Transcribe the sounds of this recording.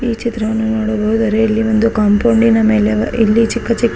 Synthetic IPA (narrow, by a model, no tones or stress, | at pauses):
iːt͡ʃit̪ɾɐʋɐnːunoːɽɐbɐɦud̪ɐɾe̞ilːiʋo̞nd̪ukaːmpɐɳɖinɐme̞ːleilːit͡ʃikːɐt͡ʃikː